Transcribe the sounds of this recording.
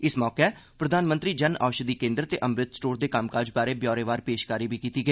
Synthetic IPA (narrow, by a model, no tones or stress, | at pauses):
ɪsmɔːkepɾəd̪ʱaːnmə̃nt̪ɾiːd͡ʒəna̰ːʃəd̪iːkẽːnd̪əɾt̪ḛːʔəmɾɪt̪sʈoːɾd̪eːkamkaːɾd͡ʒbaːɾeːbjɔːɾeːʋaːɾpeːʃkaːɾiːbʱiːkiːt̪iːɡəiː